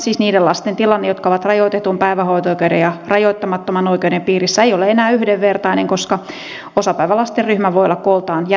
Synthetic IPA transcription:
siːsniːdelɑst̪ent̪ilɑnːejot̪kɑoʋɑt̪rɑjoit̪et̪umpæiʋæhoit̪oikeudejɑrɑjoit̪ːɑmɑt̪ːomɑnoikeudempiːrisːæeijoleenæːyhdeʋʋert̪ɑineŋkoskɑ | osɑpæiʋælɑst̪erryhmæʋoijolːɑkkolt̪ɑːnj

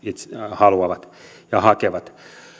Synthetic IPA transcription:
it̪shɑluɑʋɑt̪ | jɑhɑkeʋɑt̪

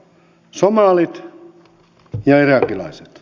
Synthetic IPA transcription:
somɑːlit̪ | jɑirɑkːilɑ̰iset̪

